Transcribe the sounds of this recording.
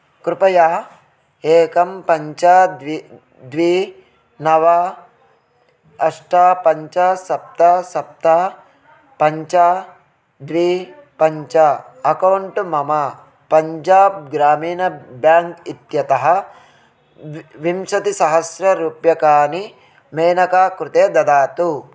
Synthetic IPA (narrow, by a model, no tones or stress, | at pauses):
kɾupɐjaː | eːkɐmpɐɲt͡ʃad̪ʋi | d̪ʋi | nɐʋa | ɐʂʈaːpɐɲt͡ʃɐsɐp̚t̪ɐsɐp̚t̪a | pɐɲt͡ʃa | d̪ʋipɐɲt͡ʃɐ | ɐkɐwɳʈmɐmɐ | pɐɲd͡ʒaːb̚ɡɾaːmiːnɐbjaːŋkit̪jɐt̪ɐɦɐ | ʋimʃɐt̪isɐɦɐsɾɐɾuːpjɐkaːni | meːnɐkaːkɾut̪eːd̪ɐd̪aːt̪u